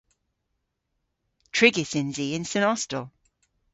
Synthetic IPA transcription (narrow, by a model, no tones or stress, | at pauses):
tʰɹ̥ɪɡɪsɪ̃nziːɪ̃nsɪnɔstəlˠ